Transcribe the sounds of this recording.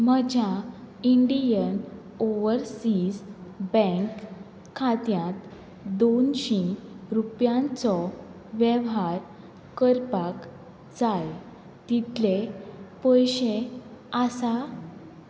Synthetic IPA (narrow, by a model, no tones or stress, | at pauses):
m̤əd͡ʑʱja | iɳɖijən | oʋəɾsiːsbɛ̃ŋkʰː | at̪jãt̪ | d̪onɕĩɾupjãnt͡sɔ | ʋjeʋɦaɾ | kəɾpak | d͡zaj | t̪it̪lepəjɕeasa